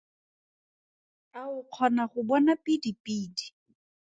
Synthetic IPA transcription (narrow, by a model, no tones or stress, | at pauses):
kaʊq͡χʰɔnaχʊbɔnapʼidipʼiːdi̥